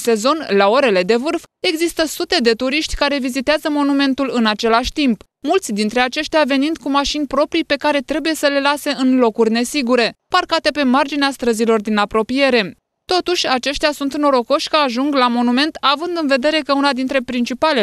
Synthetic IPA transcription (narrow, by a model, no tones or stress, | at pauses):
se̞zo̞nlao̞ɾe̞le̞d̪e̞vɨrfe̞ɡzist̪əsut̪e̞d̪e̞t̪uɾiʃt̪ʲkaɾe̞vizit̪eazəmo̞nume̞nt̪ulɨnat͡ʃe̞laʃʲt̪imp | mult̪sʲd̪int̪ɾe̞at͡ʃe̞ʃt̪eave̞nind̪kumaʃinʲpɾo̞pɾijpe̞kaɾe̞t̪ɾe̞buje̞səle̞lase̞ɨnlo̞kurʲne̞siɡuɾe̞parkat̪e̞pe̞mard͡ʒineast̪ɾəzilo̞rd̪inapɾo̞pije̞ɾe̞ | t̪o̞t̪uʃʲat͡ʃe̞ʃt̪easunt̪ɨno̞ɾo̞ko̞ʃʲkəaʒuŋɡlamo̞nume̞nt̪avɨnd̪ɨnve̞d̪e̞ɾe̞kəunad̪int̪ɾe̞pɾint͡ʃipale